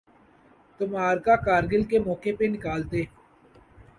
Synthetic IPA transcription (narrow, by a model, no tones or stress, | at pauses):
t̪ʊmaːɾkaːkaːɾɡɪlkeːmɔːkeːpenɪkaːlt̪eː